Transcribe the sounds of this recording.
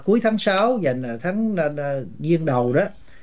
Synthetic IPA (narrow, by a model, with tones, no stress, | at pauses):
ku˨˦əjt̪ʰaː˨˦ŋsaː˨˦wza˨˩jŋ̟˨˩t̪ʰaː˨˦ŋ˧zi˧əŋɗə˨˩wɗɔ˨˦